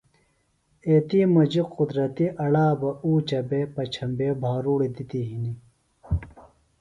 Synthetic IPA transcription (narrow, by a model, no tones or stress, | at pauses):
eːt̪imɐd͡ʑiqud̪ɾɐt̪iʔɐɽaːbɐuːt͡ɕɐbeːpɐt͡ɕʰɐmbeːbʱaːɾuːɽid̪it̪iɦini